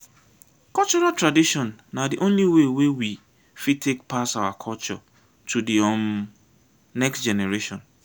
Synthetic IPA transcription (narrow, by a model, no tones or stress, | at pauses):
kɔt͡ʃɔɹatʰɹadiʃɔ̃nːadiʔõnliwewewi | fitʰek̚pʰasawakʰɔlt͡ʃɔ̰ | tʰudiɔ̃m | nɛksd͡ʒɛnɛɹeʃɔ̃n